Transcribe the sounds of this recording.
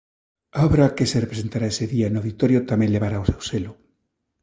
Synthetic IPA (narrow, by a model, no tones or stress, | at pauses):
aɔβɾakeserepɾesent̪aɾaeseðianawðit̪oɾjot̪amẽŋlʎeβaɾaowsewselʊ